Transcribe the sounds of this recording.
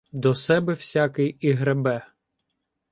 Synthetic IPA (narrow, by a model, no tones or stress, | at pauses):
d̪ɔsɛbɛwsʲakɪjiɦɾebɛ